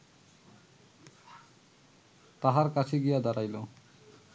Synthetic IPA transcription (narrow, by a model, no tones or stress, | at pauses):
t̪aɦaɾkat͡ɕʰeɡijad̪aɾajlo